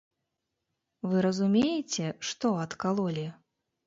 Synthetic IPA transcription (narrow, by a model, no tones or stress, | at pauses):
vɨɾɐzumʲejɛt͡sʲɛʂt̪ɔɐt̪kalˠɔlʲi